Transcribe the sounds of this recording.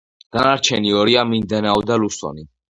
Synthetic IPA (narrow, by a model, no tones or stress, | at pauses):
ɡ̪̥anaɾt͡ʃʰɛniɔɾiamind̪ɛnaɔd̪alusɔ̰ni